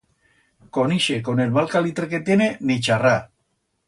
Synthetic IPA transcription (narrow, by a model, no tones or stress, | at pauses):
koniʃekonelβalkalit̪ɾeket̪je̞nenit͡ʃara